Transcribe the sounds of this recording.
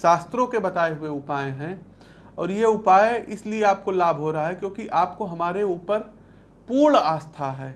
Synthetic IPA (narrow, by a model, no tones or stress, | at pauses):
ʃaːst̪ɾõkebɐt̪aːeɦʊeʊpaːẽɦɛ̃ | ɔːɾjeʊpaːeʔɪslieaːp̚kolaːbʱɦoːɾɐɦaɦɛkjõːkiʔaːpkoɦɐmaːɾeuːpəɾ | puːɳaːst̪ʰaɦɛː